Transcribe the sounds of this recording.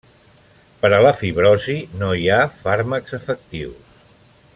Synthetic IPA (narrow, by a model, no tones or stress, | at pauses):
pəɾələfiβɾɔzinojafaɾməkz̥əfək̚t̪iws